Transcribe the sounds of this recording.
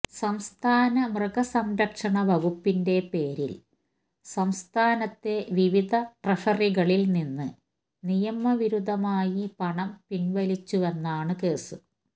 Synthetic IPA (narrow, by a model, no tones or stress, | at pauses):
sɐmst̪ʰaːnɐmrɨɣɐsɐmɾɐkʂɐɳɐʋɐɡupːinde̞pe̞ːɾḭl | sɐmst̪ʰaːnɐt̪ːe̞ʋiʋid̪ʱɐʈrɐʂɐriɣɐɭilninːɨ | nijɐmɐʋiɾud̪ʱɐmaːjipɐɳɐmpinʋɐlit͡ɕːuʋenːaːɳɨkeːsu